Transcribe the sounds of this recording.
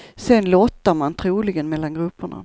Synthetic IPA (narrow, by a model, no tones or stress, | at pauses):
sɛnlɔt̪ːaɾmant̪ʰɾuːlɪɡənmɛlːanɡɾɵpːʊɳa̰